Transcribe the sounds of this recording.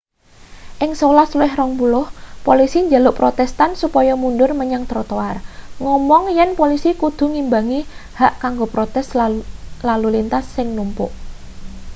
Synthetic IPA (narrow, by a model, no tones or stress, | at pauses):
ʔɪŋsolasluɪhrɔŋpulʊhpolisiɲd͡ʒalʊʔpɾot̪ɛst̪ansupɔjɔmunɖʊrməɲaŋt̪ɾot̪oarŋɔmɔŋjɛnpolisikud̪̥ṳŋimbaŋihaʔkaŋɡopɾot̪ɛs | lalulint̪asːɪŋnumpʊ̰ʔ